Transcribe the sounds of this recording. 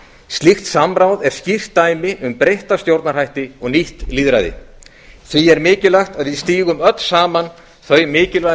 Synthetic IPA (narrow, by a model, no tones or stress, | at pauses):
st̪lixt̪samɾawðɛɾ̥scir̥t̪ːaːjmɪʔʏmpɾejht̪ast̪jowɾt̪naɾ̥hajht̪ɪɔɣniht̪liːðɾajðɪ̰ | θviɛɾmɪːcɪlaxt̪aðviðst̪iːɣʏmœt̪l̥saːman | θœɥmɪːcɪlva